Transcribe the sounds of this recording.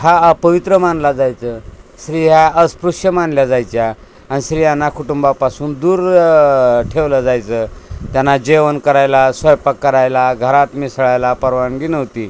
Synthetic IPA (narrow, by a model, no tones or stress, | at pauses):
ɦapəʋit̪ɾəmanlad͡zajt͡səːɕɾiɦaəspɾuʂjəmanljad͡zajt͡ɕjaː | niɕɾijanːakʰuʈumbapasuːnd̪uːɾ | ʈʰeʋləd͡zajt͡səːt̪janːad͡ʑeʋənkəɾajlasʋəjpəkːəɾajlaɡʱəɾat̪misɭajlapəɾʋaɳɡinəʋt̪iː